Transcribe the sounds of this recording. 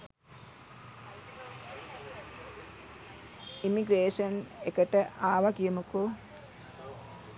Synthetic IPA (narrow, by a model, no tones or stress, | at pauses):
imiɡɾeːʂənekəʈəʔaːʋakijumuko